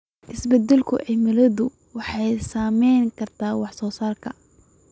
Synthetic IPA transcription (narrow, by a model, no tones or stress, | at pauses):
ʔɪsbɐd̪ːɛlkʰʊ̰ʕɪmɪlɐðʊ | wɑħɑjsaːmɛjŋkʰɐrt̪ʰaːwɑħsɔːsaːrkʰɐ